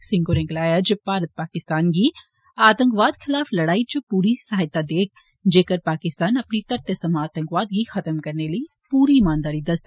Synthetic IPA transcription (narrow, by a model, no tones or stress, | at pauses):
sɪ̃ŋkoɾẽklaːjad͡ʒpaːɾət̪̚paːkɪst̪aːnɡiː | aːt̪ə̃ŋkʋaːd̪kʰɪlaːflɐɽaːit͡ʃʊpuːɾisaɦɪt̪ːad̪eːk̚ʰ | d͡ʒeːkəɾpaːkɪst̪aːnɐpnit̪ɐɾt̪əsəmaːt̪ə̃ŋkʋaːd̪̚ɡixɐt̪əmkɐɾneləi | puːɾiːmaːnd̪aːɾid̪ɐst̪